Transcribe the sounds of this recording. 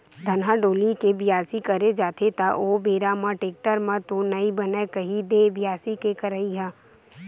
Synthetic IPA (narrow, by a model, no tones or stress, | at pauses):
d̪ʱɐnɦaɖoːlikebɪjaːsikɐɾed͡ʒaːt̪ʰet̪aʔoːbeːɾamãʈeːk̚ʈəɾmãt̪onɐibɐnekɐɦid̪ebɪjaːsikekəɾəiɦɛ̃ː